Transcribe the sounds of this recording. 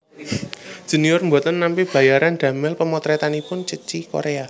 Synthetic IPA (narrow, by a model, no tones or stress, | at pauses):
ʒ̥ṳniɔrmbot̪ənːampib̥ä̤jaɾand̪̥ä̤mɪlpəmɔt̪ɾet̪anipʊnt͡ʃət͡ʃiko̰ɾea